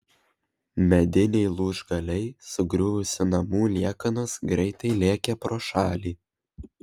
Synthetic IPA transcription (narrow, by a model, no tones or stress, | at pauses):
mʲɛd̪ʲɪnʲɛɪlˠuːʒɡɐlʲɛɪsʊɡɾʲʊʋʊsʲɪnɐmuːlʲiɛkɐnosɡɾʲɛɪt̪ɐɪlʲiɛkʲɛpɾoːʃɑːlʲiː